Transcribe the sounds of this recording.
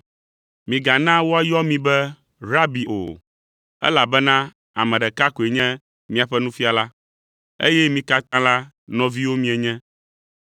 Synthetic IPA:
mĩ˨ɡa˨nã˦wo˦a˦jɔ˦mĩ˨bɛ˦ | ɾa˦bi˨ʔo̰˨ | ɛ̰˦la˨bɛ˦nã˦ | a̰˨mɛ̃˨ɖɛ˨ka˦ko˨e˨ɲɛ̃˦ | mĩ˦a˨ɸɛ˦nũ˦fi˦a˨la˦ | ḛ˦jɛ˦mĩ˦ka˦t̪ã˦la˦ | nɔ̃˨vi˦wo˦mĩ˦ɛ˨ɲɛ̃˦

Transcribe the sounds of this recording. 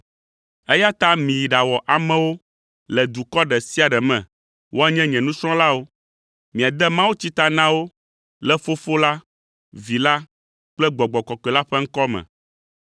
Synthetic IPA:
ɛ˦ja˦t̪a˦mĩ˨ji˨ɖa˨wɔ˨ʔa˨mɛ̃˦wo˦ | lɛ˨d̪u˨kɔ˦ɖɛ˨si˦a˨ɖɛ˨mɛ̰̃˨ | wo˦a˦ɲɛ̃˦ɲɛ̃˨nũ˦sɾ̃ɔ̃˦la˦wo˦ | mĩ˨a˨d̪ɛ˦mã˦wu˦t͡ɕi˦t̪a˦nã˦wo˦ | lɛ˦fo˦fo˦la˦ | vi˨la˦ | k͡plɛ˦ɡ͡bɔ˨ɡ͡bɔ˨kɔ˨kɛ˨la˦ɸɛ˦ŋ̩˦kɔ˦mɛ̰̃˨

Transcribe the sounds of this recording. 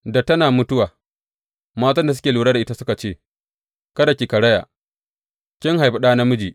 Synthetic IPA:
da˨tɐ˦naː˨mʊ˦tʊ˦waː˨ | maː˦t̬ɐ˦nda˨s̬ʊ˦kʲeː˨luː˨ɽaː˦da˨ʔɪ˦a˦sʊ˦ka˨t͡ʃeː˦˨ | kɐ˦da˨kʲi˨kɐ˨ɽɐ˦ja̰ː˨ | kʲɪ˦ŋɦa˨jɸa˨ɗaː˦na˦mʊ˦d͡ʒiː˨

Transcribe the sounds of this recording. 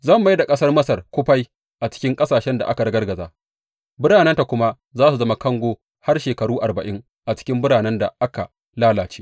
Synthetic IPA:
zɐ˦˨mːa˦da˨kʼɐ˦sɐ˦rmɐ˦sɐ˨rkʷʊ˦ɸa˦j | ʔa˨t͡ʃɪ̥˦kʲɪ˦ŋkʼɐ˦saː˨ʃɛ˦nda̰˨ʔa̰˦ka˨ɽɐ˦ɡɐ˦rɡɐ˨zaː˦ | bʊ˦ɽaː˨nɛ˦nta˨kʷʊ˦ma˦ | zaː˦su˨zɐ˦ma˦kɐ˦ŋɡʷoː˦ | ha˦rʃeː˨kɐ˨ɾuː˦ʔa̰˨rbɐ˨ʔɪ˦ŋ | ʔa˨t͡ʃɪ̥˦kʲɪ˦mbʊ˦ɽaː˨nɛ˦nda̰˨ʔa˦ka̰˨ | laː˦laː˨t͡ʃeː˦

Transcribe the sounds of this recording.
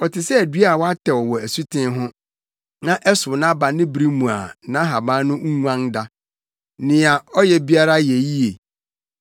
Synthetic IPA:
ɔ˨tʰɪ˨sɛ˦æ˨dɥa˦˨wɔ˦a˦tʰɛ˨wɔ˨wɔ˨æ˨su˦tʰɪ̃˦ɦʊ̃˦ | nã˦ʔɛ˦sʊ˨nã˦ba˨nɪ̃˦bɾi˦mũ˨a̰˨nã˦ɦa˨bã˦nʊ̃˦ŋ̩˦ŋʷ˦ã˦ŋda˦ | nɪ̃˨a˨ɔ˦jɛ˨bi˦a˦ɾa˦jɛ˨ji˦e˨

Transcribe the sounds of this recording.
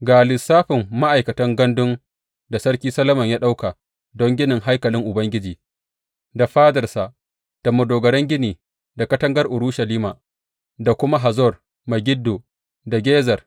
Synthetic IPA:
ɡaː˨lɪ˨sːaː˦ɸɪ˨mːa˦ʔa˨jkɐ˨tɐ˦ŋɡɐ˦ndʊ˦ŋ | da˨sɐ˦ɾkʲiː˦sɐ˦lɐ˦mɐ˨ɲjaː˦ɗa˦wka˨ | dɔ˦ŋɡʲɪ˦nɪ˨ŋɦa˦jkɐ˨lɪ˦ŋʔʊ˨bɐ˦ŋɡʲɪ˦d͡ʒiː˨ | da˨ɸaː˦dɐ˨rsa˨ | d̥a˨mʊ˨doː˨ɡɐ˨ɾɛ˦ŋɡʲɪ˦niː˨ | da˨kɐ˦tɐ˦ŋɡɐ˦rʔʊ˨ɾuː˦ʃɐ˨liː˦maː˨ | da˨kʷʊ˦ma˦ɦa˨zɔ˦˨r | mɐ˨ɡʲɪ˦dːoː˨ | da˨ɡʲeː˦zɐ˨r

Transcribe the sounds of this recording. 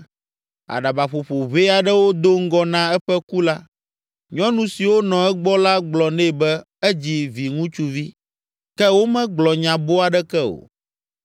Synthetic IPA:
a̰˨ɖa˨ba˨ɸo˨ɸo˨βe˦a˨ɖɛ˦wo˦d̪o˦ŋ̩˦ɡɔ˦nã˦ɛ˦ɸɛ˦ku˦la˦ | ɲɔ̃˦nũ˨si˨wo˦nɔ̃˨ɛ˦ɡ͡bɔ˦la˦ɡ͡blɔ˨nɛ̃˦˨bɛ˦ | ɛ˦d͡ʑi˦vi˨ŋũ˦t͡ʃu˦vi˦ | kɛ˦wo˦mɛ̃˦ɡ͡blɔ˨ɲã˨bo˦a˨ɖɛ˦kɛ˦o̰˨

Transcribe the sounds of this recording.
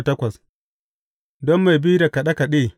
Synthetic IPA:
tɐ˦kʷɐ˨s | dɔ˦mːa˨jbiː˦ɾa˨ka˨ɗa˦ka˨ɗeː˦˨

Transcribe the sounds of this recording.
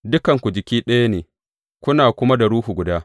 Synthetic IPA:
dʊ˦kɐ˨ŋkʷu˨d͡ʒɪ˨kʲiː˦ɗɐ˦ja˦neː˨ | kʷʊ˦naː˨kʷʊ˦ma˦da˨ɾuː˦hu˨ɡʷʊ˨daː˦

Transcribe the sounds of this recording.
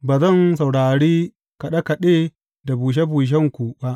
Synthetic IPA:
baː˨zɐ˦˨nsa˨wɽaː˨ɽiː˦ | ka˨ɗa˦ka˨ɗeː˦ | da˨buː˨ʃ̬e˦buː˨ʃ̬ɛ˦ŋkʷu˨ba˦ʔ

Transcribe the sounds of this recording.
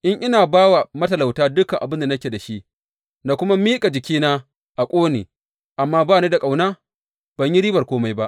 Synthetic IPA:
ʔɪ˦ŋʔɪ˦naː˨baː˦wa˨mɐ˦tɐ˨la˨wtaː˦dʊ˦kɐ˨ŋʔa˨bɪ˦nda˨nɐ˦kʲeː˨da˨ʃi˦ʔ | na˨kʷʊ˦ma˦miː˦kʼa˨d͡ʒɪ˨kʲiː˦naː˦ | ʔa˨kʷʼoː˦nḛː˨ | ʔa˨mːaː˦baː˦˨ni˦da˨kʼa˨wnaː˦ | b̥ɐ˨ɲji˦ɾiː˦bɐ˨rkʷoː˦ma˦jba˦ʔ

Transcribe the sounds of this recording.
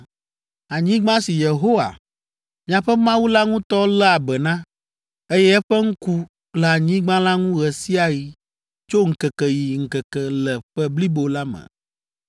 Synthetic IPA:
a˨ɲĩ˦ɡ͡bã˦si˨je˨ɦo˦wa̰˨ | mĩ˦a˨ɸɛ˦mã˦wu˦la˦ŋũ˦t̪ɔ˦lɛ˦a˨bɛ˨nã˦ | e˦jɛ˦ɛ˦ɸɛ˦ŋ̩˦ku˦ | lə˨a˨ɲĩ˦ɡ͡bã˦la˦ŋũ˦ɣɛ˨si˦a˨ji˦ | t͡ʃo˦ŋ̩˨kɛ˨kɛ˨ji˨ŋ̩˨kə˨kɛ˨lɛ˨ɸɛ˦bli˦bo˨la˦mɛ̰̃˨

